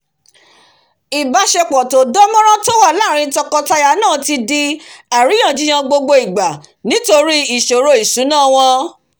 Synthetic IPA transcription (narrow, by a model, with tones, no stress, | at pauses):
i˨ba˧ʃe˧k͡pɔ˨to˨dɔ˦mɔ̃˦ɾ̃ã˦to˦wa˦˨la˦˨ɾ̃ĩ˧tɔ˧kɔ˧ta˧ja˧˨˦nãː˦˨ti˧di˧a˨ɾĩ˨˦ã˦˨d͡ʒi˦j̃ã˧ɡ͡bo˧ɡ͡bo˧i˨ɡ͡ba˨ | nĩ˨˦to˧ɾi˦i˨ʃo˨ɾo˧˦i˨su˨˦nãː˦˨w̃ɔ̃˧